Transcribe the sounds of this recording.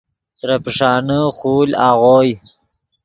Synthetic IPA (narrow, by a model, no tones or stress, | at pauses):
t̪ɾapʂɑːnəxuːlaːɣoːj